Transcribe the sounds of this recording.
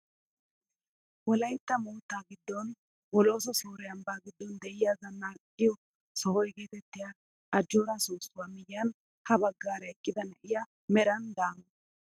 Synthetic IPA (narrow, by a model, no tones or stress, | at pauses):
wɔlɐjt̪ːɐmuːt̪ːaːɡɪd̪ːɔn | wɔlo̞ːs̬ɔsoːɾɛjɐmbaːɡɪd̪ːɔnd̪ɛʔɪjazɐnːaː | ɪjɔ | sɔhɔjɡeːt̪ɛt̪ːɪja | ʔɐd͡ʒːoːɾasoːsːʊwaːmɪjɪjɐn | hɐbɐɡːaːɾɐɛkʼːɪd̪ɐnɐʔɪja | mɛɾɐnd̪aːn